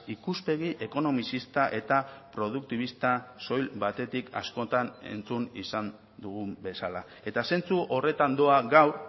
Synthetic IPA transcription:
ikuspe̞ɣ̞iʔe̞ko̞no̞misist̪aʔe̞t̪apɾo̞ð̞uk̚t̪iβist̪aso̞jlbat̪e̞t̪ikʰa̰sko̞t̪ane̞̰nt͡sunisan | d̪uɣumbe̞sala | e̞t̪ase̞nt͡suʔo̞re̞t̪and̪o̞aɣawɾ

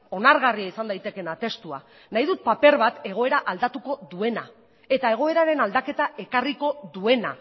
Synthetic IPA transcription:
o̞naɾɣariaisand̪ajt̪e̞ke̞nat̪e̞st̪ua̰ | naiðut̪̚pape̞ɾβat̪e̞ɣ̞o̞e̞ɾaʔald̪at̪uko̞ðue̞na | e̞t̪ae̞ɣ̞o̞e̞ɾaɾe̞nald̪ake̞t̪ae̞kariko̞ðue̞na̰

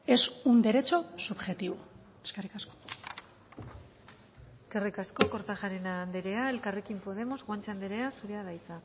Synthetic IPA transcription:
e̞sund̪eɾe̞t͡so̞subʝe̞t̪iβo | eskerikasko̥ | eske̞rikasko̞ko̞ɾt̪aʝaɾenaːnd̪eɾe̞ae̞lkare̞kimpo̞ð̞e̞mo̞zɣwant͡sand̪eɾe̞asuɾeaðajt͡sa

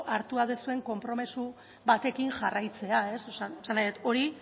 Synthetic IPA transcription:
ʔaɾt̪uaðesue̞ŋko̞mpɾo̞misu | βat̪e̞kiŋʝarajt͡se̞ae̞soaosanːajðet̪o̞ɾi

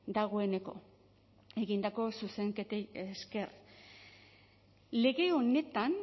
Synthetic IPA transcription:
d̪aɣo̞e̞ne̞ko̞̰ | e̞ɣind̪ako̞suse̞ŋket̪eeske̞r | le̞ɣe̞o̞ne̞t̪an

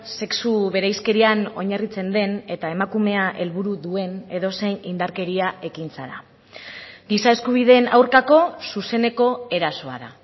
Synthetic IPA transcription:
se̞ksuβe̞ɾajske̞ɾiano̞̰ɲarit͡se̞nd̪e̞ne̞t̪ae̞makume̞aʔe̞lβuɾuðue̞ne̞ðo̞se̞jnind̪aɾke̞ɾiae̞kint͡saɾa̰ | ɡisae̞skuβ̞iðe̞na̰wɾkako̞suse̞ne̞ko̞e̞ɾaso̞a̰ða

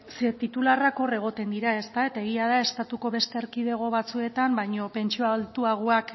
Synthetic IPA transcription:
set̪it̪ularako̞re̞ɣ̞o̞t̪e̞nd̪iɾae̞st̪ae̞t̪ae̞ɣ̞iað̞ae̞st̪at̪uko̞βe̞st̪eɾkiðe̞ɣ̞o̞βat͡sue̞t̪ambajɲo̞pe̞nt͡ʃioalt̪uaɣ̞oak

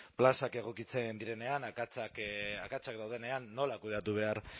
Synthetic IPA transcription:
plasake̞ɣ̞o̞kit͡send̪iɾe̞ne̞anakat͡sakakat͡sakd̪awð̞e̞ne̞anːo̞lakuð̞e̞at̪uβ̞e̞aɾ

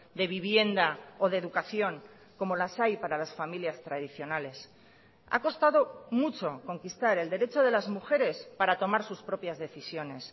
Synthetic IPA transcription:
d̪e̞β̞iβje̞nd̪aoð̞eðukaθjo̞ŋ | ko̞mo̞lasajpaɾalasfamiljast̪ɾað̞iθjo̞nale̞s | a̰ko̞st̪aðo̞mut͡ʃo̞ko̞ŋkist̪aɾe̞ld̪e̞ɾe̞t͡ʃo̞ð̞e̞lazmuxe̞ɾe̞spaɾat̪o̞maɾsuspɾo̞pjazðe̞θisjo̞ne̞s

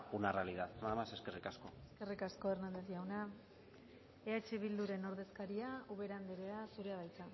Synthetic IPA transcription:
unarealiðaðaðamase̞skerikaskoeske̞rikasko̞e̞rnald̪ezʝawna | e̞at͡ʃe̞β̞ild̪uɾe̞no̞ɾðe̞skaɾiauβe̞ɾand̪eɾeasuɾe̞aβajt͡sa

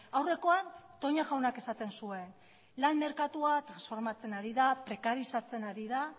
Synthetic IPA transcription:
awre̞ko̞ant̪o̞ɲaɣawnake̞sat̪e̞nsue̞n | lanme̞ɾkat̪uat̪ɾansfo̞ɾmat͡se̞naɾiðapɾe̞kaɾisat͡se̞naɾið̞a

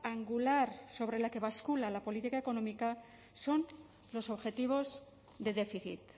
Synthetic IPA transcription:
aŋɡulaɾso̞β̞ɾe̞lake̞βaskulalapo̞lit̪ikaeko̞nõmika | so̞n | lo̞so̞βxe̞t̪iβ̞o̞z | ðe̞ðefiθḭt̪

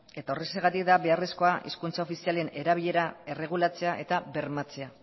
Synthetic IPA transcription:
e̞t̪ao̞re̞seɣat̪ikd̪aβe̞are̞sko̞aʔḭskunt͡saofisialene̞ɾaβ̞iʎe̞ɾae̞re̞ɣ̞ulat͡se̞aʔe̞t̪abe̞ɾmat͡se̞a

